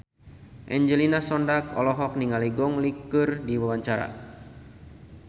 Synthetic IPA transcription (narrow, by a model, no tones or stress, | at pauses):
ʔɛɲd͡ʒəlinasɔndak̚ɔ̰lɔɦɔk̚niŋaliɡɔŋlikɨrdiwawaɲt͡ʃaɾa̰